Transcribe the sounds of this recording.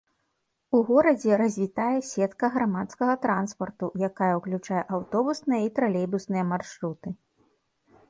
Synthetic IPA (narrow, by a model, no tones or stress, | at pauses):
uɣɔɾɐd͡zʲɛɾɐzʲvʲit̪ajɛsʲɛt̪kɐɣɾamat̪skɐɣɐt̪ɾanspɐrt̪ujakajɐuklʲut͡ʂajɛʔawt̪ɔbusnɨjɐit̪ɾalʲɛjbusnɨjɐmarʂɾut̪ɨ